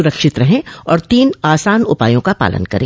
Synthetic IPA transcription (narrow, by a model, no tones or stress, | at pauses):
ʊɾəkʃɪt̪ɾɐɦẽɔːɾt̪iːnaːsaːnʊpa̰ːjõkapa̰ːlə̰nkɐ̰ɾḛ̃ː